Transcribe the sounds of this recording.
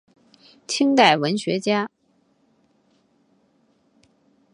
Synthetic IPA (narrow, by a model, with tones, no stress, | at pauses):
t̪ʰi˥ŋt̪a˥˩ɪwə˧˥nɕɥɛ˧˥t͡ɕja˥